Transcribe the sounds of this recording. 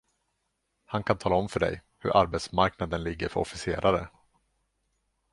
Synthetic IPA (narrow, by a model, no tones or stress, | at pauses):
hankʰant̪ʰɑːlaɔmfœɖɛ̰j | hɵ̰ɾʔaɾbɛt̪smaɾknad̪ənlɪɡːəɾfœɾɔ̰fɪseːɾaɾə̰